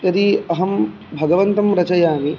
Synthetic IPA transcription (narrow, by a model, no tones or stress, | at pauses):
jɐd̪iɐɦɐm | bʱɐɡɐʋɐnt̪ɐmɾɐt͡ʃɐjaːmi